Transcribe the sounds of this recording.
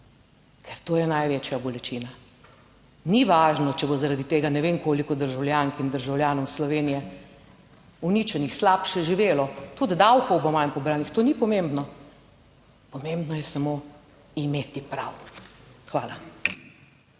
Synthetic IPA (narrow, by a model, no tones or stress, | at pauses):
kʰɛɾt̪oːjɛnajʋeːt͡ʃjabɔlɛt͡ʃiːna | niʋaːʒnɔt͡ʃɛbozaɾad̪it̪eːɡanɛʋeːnkoːlikɔd̪əɾʒawljaŋkind̪əɾʒawljaːnɔwslɔʋeːnijɛ | unit͡ʃɛnixslaːpʃɛʒiʋeːlɔt̪ud̪d̪awkɔwbɔmajnpɔbɾaːnixt̪oːnipɔmembnɔ | pɔmembnɔjɛsamo | imeːt̪ipɾaw | xʋaːla